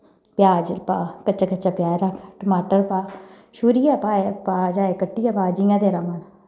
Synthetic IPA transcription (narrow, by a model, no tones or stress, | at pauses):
pjaːd͡ʒlpaːkət͡ʃaːkət͡ʃaːpjaːɾakʰʈəmaːʈəɾpaː | ʃuːɾijaːpaːepaːd͡ʒaːeːkəʈːijaːpaːd͡ʒijãːd̪eːɾaːmal